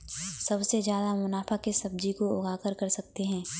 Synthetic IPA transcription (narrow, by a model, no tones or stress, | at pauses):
sɐbsezjaːd̪amʊnaːfakesɐb̚d͡ʒikoʊɡaːkəɾkɐɾsɐk̚t̪eɦɛ̃ː